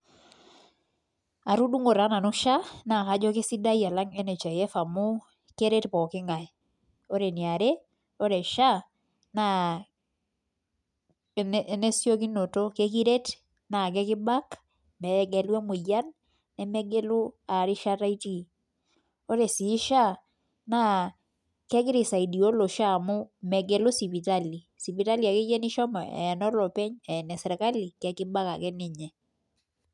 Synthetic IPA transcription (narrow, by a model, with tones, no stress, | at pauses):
a˨ɾu˦du˦ŋo˨ɾa˨˦na˨nu˦ʃa˦na˨ka˨d͡ʒɔ˦ke˦si˦da˦jia˨la˦ŋɛ˦nɛ˨t͡ʃa˨jɛ˦fa˨mu˦ | ke˦ɾe˦tpɔ˨kɪ˦ŋa˨ɛ | o˦ɾe˨ni˨a˨ɾe˦ | o˦ɾɛ˨ʃa˦ | na | ne˦sjo˦ki˦no˨to˦ke˦k̬i˦ɾe˦t | na˨ɡɛ˦kɪ˦ba˦k | mɛ˨ɡɛ˨lwɛ˦mu˨ja˦nː | ɛ˨mɛ˦ɡe˦lu˦a˨ɾɪ˦ʃa˦ɾa˦i˦ti˦˨ | o˦ɾe˨si˨˦ʃa˦ | na˦ | kɛ˦ɡɪ˦ɾɪ˨sa˨i˨di˨o˦lo˨ʃa˦˨mʊ˦mɛ˨ɡɛ˦lo˦si˨pi˨ta˦li˨ | si˨pi˨ta˦li˨a˨ke˦d͡ʒe˦ni˦ʃɔ˦mɔ̰˨ɛ̰˨ɛ˨nɔ˦lɔ˨pɛ˦ɲɛ˨nɛ˨sɛ˨ɾɛ˨ka˦li˨kɛ˨˦kɪ˦ba˦ka̰˨kɛ˦nɪ˨ɲɛ˨